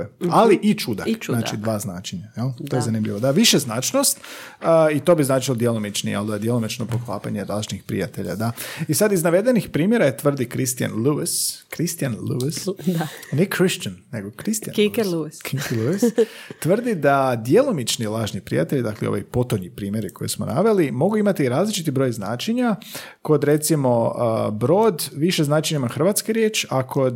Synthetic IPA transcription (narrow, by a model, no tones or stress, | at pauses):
ealiʔit͡ʃud̪a̰naːt͡ʃid̪ʋaːznaːt͡ʃeɲajalt̪ojezanimʎiʋod̪aʋiʃeznaːt͡ʃnost̪ː | it̪o̞biznaːt͡ʃilod̪jelomit͡ʃnḭa̰ld̪ad̪jelomit͡ʃnopoxla̰ːpaɲelˠaːʒnixpɾḭjat̪e̞ʎa̰d̪aisad̪iznaʋe̞d̪enixpɾiːmje̞ɾajet̪ʋr̩d̪ikɾist̪ija̰nluiskɾist̪ijanluisanekɾiʃt͡ʃanːeɡokɾist̪ja̰luskʰikilˠuist̪ʋr̩d̪id̪ad̪jelˠomit͡ʃnilˠaːʒnipɾḭjat̪eʎid̪akleo̰ʋojpo̞t̪oɲipɾiːmje̞ɾikojesmo̞̰naʋe̞limo̞ɡuimat̪iɾaːzlit͡ʃit̪ibɾo̞ːjzna̰ːt͡ʃeɲa | ko̞d̪ɾe̞t̪simo̞bɾo̞ːd̪ʋiʃeznaːt͡ʃeɲimaxr̩ʋat̪skeɾjet͡ʃakʰo̞d̪